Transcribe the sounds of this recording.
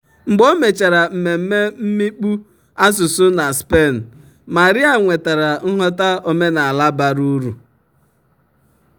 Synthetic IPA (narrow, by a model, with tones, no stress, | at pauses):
ŋ͡m̩˨ɡ͡bɔ˦me˨t͡ʃa˨ɾa˨m̩˨me˨m̩˦me˦m̩˦mi˦k͡pu˦ | a˦s̬ʊ˨sʊ˦na˨spe˦˨n̩˨ | ma˨ɾi˦a˨ŋʷe˨ta˨ɾa˨ŋ̩˦ɦɔ˦ta˦o˦me˦na˨a˨la˦ba˨ɾu˦ɾu˨